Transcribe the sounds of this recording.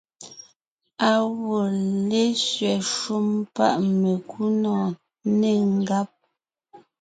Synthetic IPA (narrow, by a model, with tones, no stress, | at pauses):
a˨wo˨le˦sɥɛ˨ʃu˦mpa̰˦ʔme˨kʰu˦nɔ˨ | ne˨ŋ˦ɡa˦p̚